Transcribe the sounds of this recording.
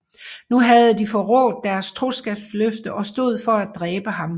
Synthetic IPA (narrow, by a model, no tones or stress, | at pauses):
nuɦæð̩ˠəd̥ifɒ̽ʁɔ̰̽ːd̥̚ːæɐst͡sʰʁo̝sɡ̥ɛb̥sløfd̥əʔɒ̽sd̥o̝ð̞̰ˠfɒ̽æd̥ʁɛːb̥əɦɑ̈m